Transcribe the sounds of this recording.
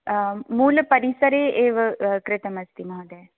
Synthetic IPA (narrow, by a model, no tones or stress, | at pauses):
muːlpɐɾisəɾeʔeːʋkɾɪt̪əmɐst̪imɐɦod̪ɛː